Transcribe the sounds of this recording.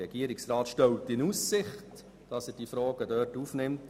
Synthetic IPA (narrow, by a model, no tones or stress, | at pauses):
ɛɡ̥iəɾɪksɾɑːtʃtɛwtːɪnuːsːɪχt | d̥ɑsɛɾd̥ifɾɔːɡ̥ədœːtuːfnɪmt